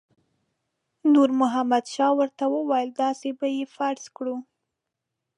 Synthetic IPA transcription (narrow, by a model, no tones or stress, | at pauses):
nuɾmʊɦamad̪ʃɑwəɾt̪awəwajəld̪ɑsebajefaɾskɽu